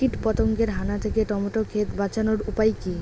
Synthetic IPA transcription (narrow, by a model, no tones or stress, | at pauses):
iʈpɔt̪oŋkeɾɦanat̪ʰeket̪ɔmoʈokʰet̪bat͡ɕanoɾupajki